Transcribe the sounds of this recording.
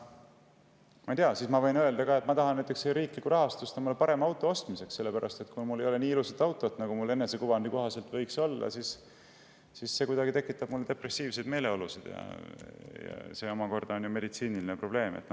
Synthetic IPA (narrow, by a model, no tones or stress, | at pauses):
mɑjt̪eɑsismɑvɤjnø̞eld̪ɑkɑːe̞t̪mɑt̪ɑɦɑnæjt̪ˑekseɾiːklikːuɾɑɦɑst̪ust̪ɑmulepɑɾe̞mɑwt̪ːˑo̞o̞st̪mise̞kse̞lːepæɾʔɑst̪e̞t̪kumulːejo̞le̞niːilusɑt̪ːˑɑwt̪ːˑo̞t̪ːˑnɑɡumulːe̞nːesekuvɑnd̪iko̞ɦɑse̞lt̪ːˑvɤjkso̞lːɑ̰sis | sisːe̞kujd̪ɑɡit̪e̞kːˑit̪ːˑɑb̥mulːed̪e̞pre̞sːiːvse̞jd̪me̞ːle̞o̞lusid̪̥jɑ̰ | jɑ̰seo̞mɑko̞rd̪̥ɑonjume̞d̪it̪siːnilinepro̞b̥le̞ːmḛt̪ː